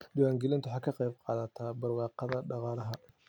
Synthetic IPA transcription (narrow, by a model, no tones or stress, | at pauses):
d̪ɪwaːŋɡɪlɪnt̪ʰʊħɑːkʰɐqɛjb̚qɑ̰ːðɐt̪ʰaːbɐrwɑːqɑðɐɖɑqɑːlɐɦɐ